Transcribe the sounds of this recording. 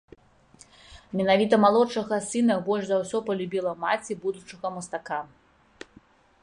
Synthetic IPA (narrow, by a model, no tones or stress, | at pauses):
mʲɛnavʲit̪ɐmalˠɔʂɐɣɐsɨnɐbɔlʲʐzawsʲɔpɐlʲubʲilˠɐmat͡sʲibud̪ut͡ʂɐɣɐmɐst̪aka